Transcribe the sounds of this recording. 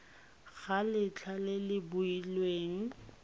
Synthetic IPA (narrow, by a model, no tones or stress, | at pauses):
ɣ̥alɪt͡ɬʰalɪlɪbʊilweːŋ̩